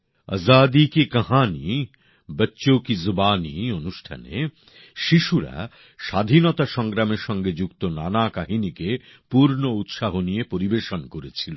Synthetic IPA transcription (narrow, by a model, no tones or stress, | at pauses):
ə̰zad̪ikekɐɦani | bətːɕokizobanionuʃʈʰa̰nḛ | ʃiʃuɾa̰ | ʃad̪ʱinɔt̪aʃɔŋɡɾameɾʃɔŋɡed͡ʑukt̪onanakaɦinikepuɾnout̪ʃaɦonijepoɾibeʃonkoɾet͡ɕʰilo̰